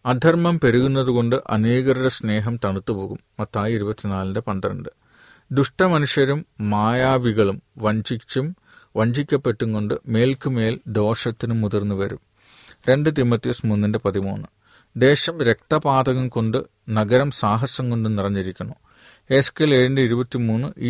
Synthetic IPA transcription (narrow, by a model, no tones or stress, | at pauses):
ɐd̪ʱɐrmɐmpe̞ɾuɣunːɐðuɣo̞ɳɖɨʔɐ̰niːɣɐɾiɽɐsne̞ːɦɐmt̪ɐɳut̪ːupo̞ːɣumːɐt̪ʰːaːjiɾubɐt̪ːinaːlɐndepɐnd̪ɐɾɐ̰ɳɖɨ | d̪uʂʈɐmɐnuʂjɐɾumːaːjaːʋiɣɐɭumʋɐɲd͡ʑium | ʋɐɲd͡ʑikʲːɐpːe̞ʈːuŋko̞ɳɖɨme̞ːlkɨme̞ːld̪o̞ːʂɐt̪ːinumːuðirnːɨʋɐɾṵm | ɾe̞ɳɖɨt̪̬imːɐt̪ːismunːinde̞pɐðimṵːnːɨ | d̪e̞ːɕɐmɾe̞k̚t̪ɐpaːd̪ɐɣɐmko̞ɳɖɨ | nɐɡɐɾɐmsaːɦɐsɐŋkoɳɖumnirɐɲːiɾikʲːunːu | e̞skeleːɻindeiɾubɐt̪ːimuːnːɨʔi